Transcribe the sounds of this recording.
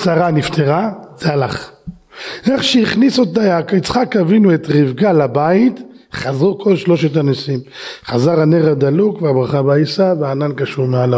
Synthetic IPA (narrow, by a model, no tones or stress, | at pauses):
saʁanift̪ʰeʁaz̥ealaχ | eχʃeiχnisuot̪ajakit͡sχakavinuet̪ʁivɡalabait̪ | χazʁukʰo̞lʃlo̞ʃet̬anisimχazaʁaneʁad̪alukveabʁaχabaisaveaːnankaʃuʁmeala